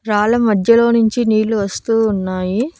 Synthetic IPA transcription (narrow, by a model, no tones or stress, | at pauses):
ɾaːlɐmɐd̪ʱjɐlo̞ːnuɲt͡ʃiniːluʋɐst̪uːnːaːji